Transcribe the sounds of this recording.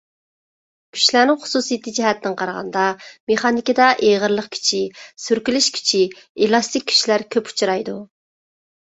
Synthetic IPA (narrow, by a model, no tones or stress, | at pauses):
kʲʰy̥ʃlænɪŋχʊ̥susijt̪ʰɨd͡ʒɛɦɛt̪ːɪŋqʰɑɾəʁɑ̰nd̪ɑmeχɑnikʲid̪ɑʔeʁəɾlˠəqkʲʰy̥t͡ʃʰisyɾkʲylɪʃkʲʰy̥t͡ʃʰi | elˠɑst̪ɪkʲːʰy̥ʃilæɾkʲʰøpʰu̥t͡ʃʰuɾɑjd̪u